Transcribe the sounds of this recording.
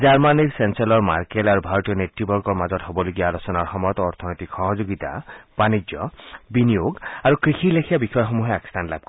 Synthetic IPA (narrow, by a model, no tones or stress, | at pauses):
d͡ʒaɹmaniksensalɔɹma̰ɹkelaɾubʱaɾɔt̪ijɔneʈːibɔɾɡɔɹmazɔt̪ɦobɔloɡiaːlosɔnaɹxɔmɔjɔt̪ɔːɾt̪ʰɔnɔjt̪ikxɔɦɔd͡ʒoɡit̪a̰b̥anid͡ʒjɔbinijoɡaɾukɾixʰilekʰijabixʰɔjɔɦxomuɦeaki̥st̪ʰanla̰b̚kɔ